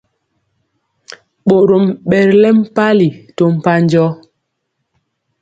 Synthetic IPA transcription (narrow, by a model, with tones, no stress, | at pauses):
ɓo˨ɾo˨mɓɛ˨ɾlɛ˦m̩˦pa˦li˨to˦m̩˨pa˦n˦d͡ʒɔ˦